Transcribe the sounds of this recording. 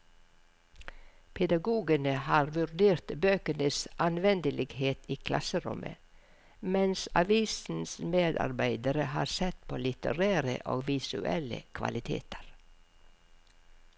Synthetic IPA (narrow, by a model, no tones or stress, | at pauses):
pʰɛd̪ɑɡuːɡənəhɑːɾʋʉɾd̪eːɾt̪bøːkənəsʔɑnʋɛnd̪əlɪɡheːt̪iːkʰlʔɑsəɾʊ̰mʔə̰ | mɛnsɑʋiːsn̩smeːd̪ɑ̰ɾbæɪd̪əɾəhɑːɾsɛt̪pʰoːlɪt̪ə̰ɾæːɾə̰ʔo̰ːɡʋɪsʉ̰ʔɛlə̰kʰʋɑ̰lɪt̪ʰḛːt̪ʰəɾ